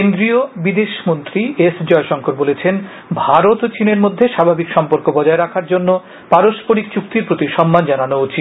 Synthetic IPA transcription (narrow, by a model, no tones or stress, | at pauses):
kend̪ɾiobid̪eʃmont̪ɾiesd͡ʑɔeʃɔŋkʰoɾbolet͡ɕʰen | bʱaɾot̪t͡ɕineɾmod̪ʱːeʃabʱabikʃɔmpoɾkobɔd͡ʑaeɾakʰaɾd͡ʑonːo | paɾoʃpoɾikt͡ɕuk̚t̪iɾpɾot̪iʃɔmːand͡ʑananoot͡ɕi